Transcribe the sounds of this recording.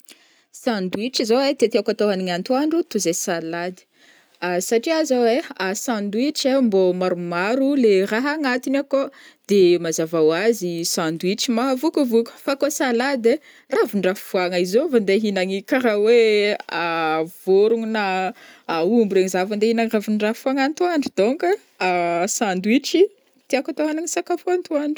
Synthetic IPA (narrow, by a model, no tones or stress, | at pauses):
sãnd̪uiʈ͡ʂizowet̪et̪akat̪oɦaniŋant̪uaɳɖ͡ʐut̪uzesalad̪i̥ | asaʈ͡ʂiazoweasãnd̪wiʈ͡ʂembomaɾumaɾuleraɦaŋat̪inakod̪̥emazavawazisãnd̪wiʈ͡ʂimaɦavukuvukʲu̥fakosalad̪e | ravuɳɖ͡ʐafuaŋaizovand̪eɦinaŋikaɾaweavoɾuŋinaː | umbuɾeŋizavand̪einaŋravuɳɖ͡ʐafuaŋant̪uaɳɖ͡ʐid̪oŋkə | asãnd̪wiʈ͡ʂi | t̪iakat̪oanaɲisakafoant̪uaɳi̥